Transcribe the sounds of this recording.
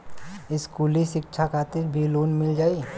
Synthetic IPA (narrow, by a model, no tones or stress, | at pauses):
ɪskuːliʃɪkt͡ʃʰakʰaːt̪ɪɾbʱiloːnmɪld͡ʒaːi